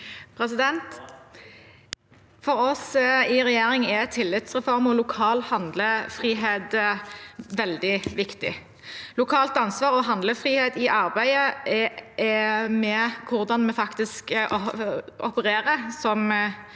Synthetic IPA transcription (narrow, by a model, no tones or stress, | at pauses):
pʰɾɛs̬ɪd̪ɛnt̪ | fɔɾɔsɪʁɛjeːɾɪŋɛt̪ʰɪlːɪt̪sʁɛfɔʁmɔlʊkʰɑːlhɑnd̪ləfʁiːɦeːd̪ | ʋɛld̪ɪʋɪkt̪ɪ̰ | lʊkʰɑːlt̪ɑnsʋɑːʁɔɦɑnd̪ləfɾiːheːt̪ɪʔɑʁbæɪəɛɛmɛkʰʊʁd̪ɑnmɛfɑkt̪ɪsk | ʔɔpəɾeːʁəsɔm